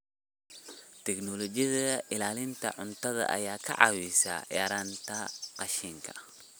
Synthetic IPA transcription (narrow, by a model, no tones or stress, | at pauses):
t̪ʰɛknɔlɔt͡ʃɪjɐðɐʔɪlaːlɪnt̪ʰɐʕʊnt̪ʰɐðɐ̰ʔɐ̰jaːkʰɐ̰ʕɑ̰wisa̰ːjaːɾaːnt̪ʰɐqɑʃiŋkʰɐ̥̰